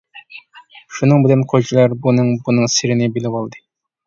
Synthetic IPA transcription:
ʃunɨŋbɪlɪnqʰod͡ʒilˠɑɾbunɨŋbunɨŋsɪɾɪnɪbilɪwɑlˠd̪ɨ

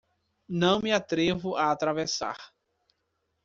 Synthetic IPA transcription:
nɐ̃w̃mɪat̪ɾevʊʔaːt̪ɾavesa̰ɾ

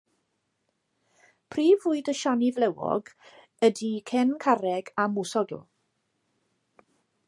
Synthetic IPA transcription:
pʰriːvʊɨdəʃanɪvlɛwɔ̰ɡ | ədikʰɛnkʰaɾɛɡamʊsɔɡ

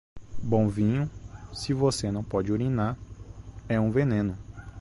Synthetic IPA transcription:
bõvĩɲʊsɪvosenɐ̃w̃pɔd͡ʒɪoɾĩnaɾ | ɛũvenẽnʊ

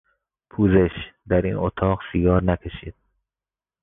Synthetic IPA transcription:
pʰuːzeʃd̪æɾḭːnot̪ʰɒːɣsiɡɒːɾnækʲʰeʃḭːd̪̥̚

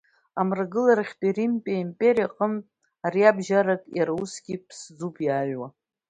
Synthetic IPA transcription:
amrɡɨlarχʲtʼirimpʼaimpʼeɾijaqʼəm | aɾiabʒaɾakʼjaɾausɡʲipʰsd͡zupʰʼjaɥwa

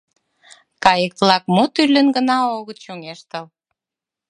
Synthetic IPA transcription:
kɑjək̪̚lɑkmot̪yrlʲənɡənɑoɣət̪ʃoŋeʃt̪əl

